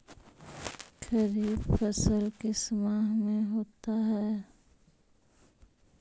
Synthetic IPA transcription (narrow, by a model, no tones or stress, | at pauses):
kɐɾiːbfɐsəlkesəmaːɦmẽɦoːt̪aɦɛː